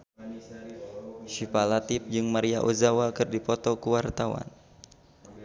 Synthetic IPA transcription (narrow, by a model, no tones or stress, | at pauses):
ʃipalat̪ip̚d͡ʒɨŋmaɾiaʔozawakɨrdipɔt̪ɔkuwart̪awa̰n